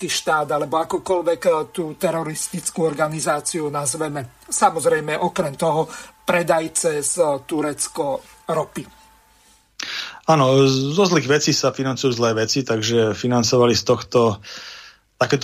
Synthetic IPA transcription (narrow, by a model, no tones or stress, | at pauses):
k̪iːʃt̪aːd̪alɛbɔakɔkɔlʋɛkt̪uːt̪ɛɾɔɾist̪it͡skuɔɾɡanizaːt͡siunazʋɛmɛsamɔzɾɛjmɛʔɔkɾɛmt̪ɔɦɔpɾɛd̪ajt͡sɛst̪uɾɛt͡skɔ | ɾɔpi | aːnɔzɔzliːɣʋɛt͡sisafinant͡sujuːzlɛːʋɛt͡sit̪aɡʒɛfinant͡sɔʋalist̪ɔxt̪ɔ | t̪akɛːt̪